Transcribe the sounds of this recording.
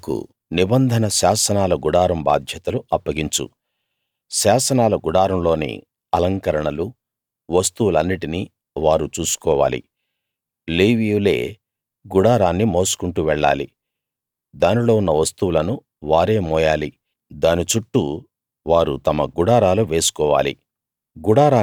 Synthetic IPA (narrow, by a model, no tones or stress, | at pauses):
kṵ | nibɐnd̪ʱɐnɐʃaːsɐnaːlɐɡuɽaːɾɐmba̰ːd̪ʱjɐt̪ɐluɐpːɐɡiɲt͡ʃṵ | ʃaːsɐnaːlɐɡuɽaːɾɐmlo̞ːnḭ | ɐlɐŋkɐɾɐɳɐlu | ʋɐst̪uwulɐnːiʈini | ʋaːɾut͡ʃuːsu̥kɔːʋa̰ːlḭ | leːʋijule̞̰ː | ɡuɽaːɾaːnːimo̞ːsu̥kuɳʈuʋɛɭːa̰ːlḭ | d̪aːnilo̞ːunːɐʋɐst̪uwulɐnu | ʋaːɾe̞ːmɔːjaːli | d̪aːnit͡ʃuʈːu | ʋaːɾut̪ɐmɐɡuɽaːɾaːluʋe̞ːsu̥kɔːʋa̰ːlḭ | ɡuɽaːɾaː